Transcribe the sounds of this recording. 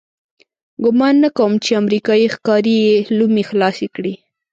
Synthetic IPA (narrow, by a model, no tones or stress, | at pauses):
ɡʊmɑnːakawəmt͡ʃeamɾikɑixkɑɾijelumixlɑsekɽi